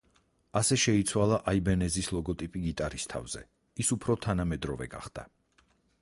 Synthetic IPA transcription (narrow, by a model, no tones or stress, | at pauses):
asɛʃɛit̪sʰwalˠaʔaibɛnɛzislˠɔɡɔt̪ʼipʼiɡit̪ʼaɾist̪ʰa̰vz̥ɛ̰ | isupʰɾɔt̪ʰanamɛd̪ɾɔvɛ̰ɡa̰χd̪̥a̰